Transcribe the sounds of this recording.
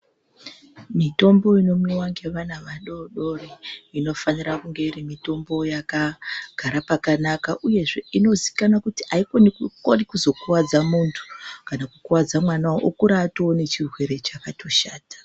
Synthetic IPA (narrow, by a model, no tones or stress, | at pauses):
mito̞mbo̞ino̞miwaŋɡe̞ʋanaʋaɗo̞ɗo̞reino̞fanirakuŋɡe̞irimito̞mbo̞jakaɡ̥ʱaɾapakanakaʔuje̞ʐe̞ino̞zi̥kanakutiaikonikukorikuzo̞kuwad͡zamuntʰu̥kanakukuwad͡zamwanawoʔokuɾatoone̞t͡ʃirwe̞ɾe̞t͡ʃakatʰo̞ʃaːtḁ